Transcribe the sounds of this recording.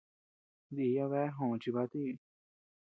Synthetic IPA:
d̪i˨˧˨ja˧βɛ˦ɦõ˨t͡ʃi˧βa˧˦t̪i˦˨

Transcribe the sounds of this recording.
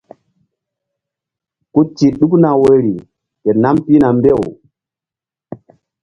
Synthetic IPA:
ku˦ti˨ɗu˦kna˨wə˨ɾi˨ | te˨na˦mpi˦na˨mbe˦˨w

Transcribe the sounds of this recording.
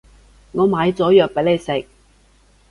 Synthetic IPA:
ŋɔː˨˧maː˨˧jt͡sɔː˨˥jœː˨k̚pe˨˥jle˨˧jsɪ˨k̚

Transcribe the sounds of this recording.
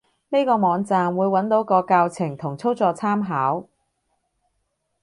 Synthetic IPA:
ne˥kɔː˧mɔː˨˧ŋt͡saː˧mwuː˨˧jwɐ˨˥nt̪o˨˥wkɔː˧kaː˧wt͡sʰɪ˨˩ŋt̪ʰʊ˨˩ŋt͡sʰo˥wt͡sɔː˧t͡sʰaː˥mɦaː˨˥w

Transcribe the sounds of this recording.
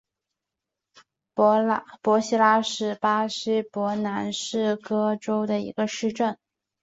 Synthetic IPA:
pwɔ˧˥ɕi˥la˥ʂɻ̩˥˩pa˥ɕi˥pwɔ˧˥na˧˥nʂɻ̩˥˩kɤ˥ʈ͡ʂo˥ʊd̪ə˨ḭ˧˥ɡə˧ʂɻ̩˥˧ʈ͡ʂə˥˩n

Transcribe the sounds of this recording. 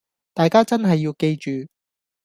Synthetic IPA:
t̪aː˨jkaː˥t͡sɐ˥nɦɐ˨jːiː˧wke˧jt͡ʃyː˨

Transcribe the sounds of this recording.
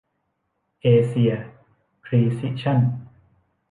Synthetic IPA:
ʔeː˧si˧ɐ | kʰɾiː˧si˦˥ʔt͡ɕʰa˥˩n

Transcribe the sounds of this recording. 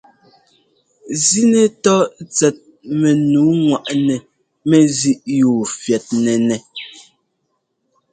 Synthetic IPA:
zi˦nɛ˨tɔ˦t͡sɛ˨t̚ | mɛ˨nuː˨˦ŋwa˨ʔnɛ˨ | mɛ˦zi˦ʔjuː˨fjɛ˨t̚nɛ˨nɛ˨

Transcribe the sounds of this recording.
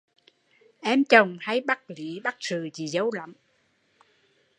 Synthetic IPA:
ʔɛ˧mt͡ɕə˨˩wŋ͡mha˧jɓa˦˥t̚lḭ˧˨˦ɓa˦˥t̚zɨ˨˩t͡ɕi˨˩zə˨˦wla̰˧˨˦m

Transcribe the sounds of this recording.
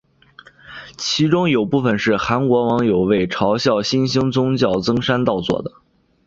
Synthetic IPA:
t͡ɕʰi˧˥ʈ͡ʂʊ˥ŋjo˨˩ʊpu˥˩fə˩nʂɻ̩˥˩xa˧˥nkwɔ˧˥wɑ˧˥ŋjo˨˩ʊwe˥˩ɪʈ͡ʂʰɑ˧˥ʊɕjɑ˥˩ʊɕi˥nɕi˥ŋt͡sʊ˥ŋt͡ɕjɑ˥˩ʊt͡sɤ˥ŋʂa˥nt̪ɑ˥˧ʊt͡swɔ̰˥˩d̪ə˩

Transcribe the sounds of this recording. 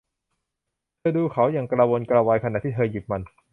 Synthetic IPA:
t̪ʰɤː˧duː˧kʰa˩˦wja˨˩ŋkɾa˧woː˧nkɾaː˧waː˧jkʰa˧na˨˩t̪ʰiː˥˩t̪ʰɤː˧ji˨˩p̚ma˧n

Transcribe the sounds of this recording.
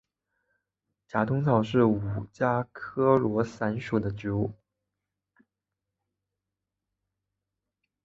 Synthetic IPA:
t͡ɕja˧˥t̪ʊ˥ŋt͡sʰɑ˥˩ʊʂɻ̩˥˩u˨˩t͡ɕja˥kʰɤ˥lwɔ˧˥sa˧˥nʂu˨˩d̪ə˦t͡ɕu˧˥u˥˩

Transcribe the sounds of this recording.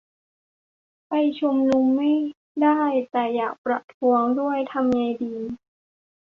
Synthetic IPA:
pa˧jt͡ɕʰu˧mnu˧mːa˥˩j | daː˥˩jt̪ɛː˨˩jaː˨˩k̚pɾa̰˨˩t̪ʰːu˧əŋdu˥˩əjt̪ʰa˧mŋa˧jdiː˧

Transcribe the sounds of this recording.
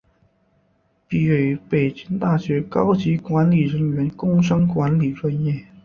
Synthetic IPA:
pi˨˩we˨˩ɪpe˨˩ɪt͡ɕi˥ŋt̪a˥˩ɕɥɛ˧˥kɑ˥ʊt͡ɕi˧˥kwa˧˥nli˨˩ɻə˧˥ŋɥɛ˧˥nkʊ˥ŋʂɑ˥ŋkwa˧˥nli˨˩ʈ͡ʂwa˥˧njɛ˥˩

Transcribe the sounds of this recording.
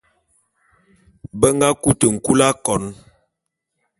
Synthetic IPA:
bə˦ŋ˦ɡa˦ku˦tə˨ŋ̩˨ku˦la˦kɔ˨n

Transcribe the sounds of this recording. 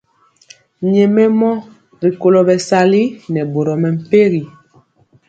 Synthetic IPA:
ɲɛ˨mɛ˦mɔ˦ | ɣi˨ko˨lo˨bɛ˨sa˦˨li˦nɛ˨bo˨ɾɔ˨mɛ˨m̩˨pe˦ɣi˨

